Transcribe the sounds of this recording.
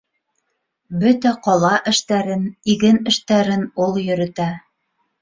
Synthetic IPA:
bɵt̪æqɒlˠɑʔɘ̆ʃt̪æɾɘniɡɘnɘ̆ʃt̪æɾɘnulˠjɵ̆ɾɘ̆t̪æ

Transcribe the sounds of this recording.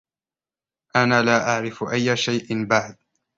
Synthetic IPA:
ʔanaːlaːʔaʕɾɪfʔajːaʃajʔɪnbaʕd̪̚

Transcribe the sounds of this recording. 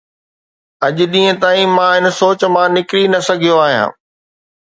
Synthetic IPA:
ɐʄ̆ɗĩːə̃t̪aːĩmãɦɪn̆soːt͡ɕmãnɪkɾinɐsɐɡʱijoaːɦijã̰ː

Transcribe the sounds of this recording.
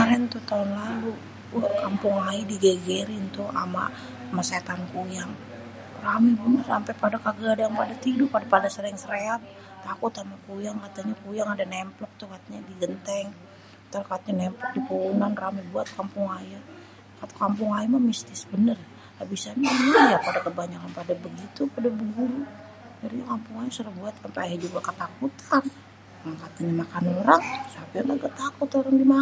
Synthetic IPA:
aɾɛnt̪ut̪aunlalu | wakampʊŋaidiɡeɡeɾɪnt̪ua̰ma̰ | maset̪ankujaŋ | ramɛbunəsampɛpadakaɡaadajaŋpadat̪idʊpadapadasəɾŋsəɾeal | t̪akʊt̪amakujaŋkat̪aɲakujaŋadanɛmplɔk̚t̪ukat̪aɲadiɡənt̪ɛŋ | t̪arkat̪̚ɲanɛmplɔk̚dipounanramibuat̪̚kampʊŋaja | kat̪ḁkampʊŋajamamist̪ɪsbənər | abisaɲamajapadakəbaɲakanpadabəɡit̪upadabəɡuɾu | d͡ʒaɾiɲakampʊŋajasuɾaŋbuat̪ampaajad͡ʒuɡakət̪akut̪ʰan | maŋkat̪aɲamakanoɾaŋsapiaŋɡaɡat̪akʊt̪oɾaŋdima

